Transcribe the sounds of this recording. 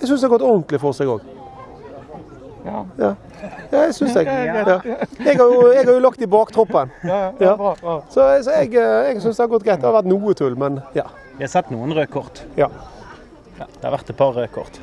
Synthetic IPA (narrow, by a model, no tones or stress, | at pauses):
ɛsʏnsd̪ɛɑɾɡɔt̪ːɔnt̪lɪfɔʁsɛɡo̰ːɡ | jɑː | jɑːɛsʏnsɛɡjɑːɛɡhɑɾjʊɛɡhɑɾjʊlɑkt̪ɪbɑːkt̪ʰɾɔpːənjɑːsɔsɔɛɡɛɡsʏnsd̪ɛhɑɾɡɔt̪̚ːɡæɪd̪ɛhɑʋæʁt̪nuːət̪ʰʉlmɛnjɑ̰ː | ʋɪhɑsɛt̪ːnuːənʁøːkʰɔʁt̪jɑː | d̪ɛhɑ̰ɾʋæʁt̪ɛt̪̚pʰɑʁʁøːkʰɔ̰ʁt̪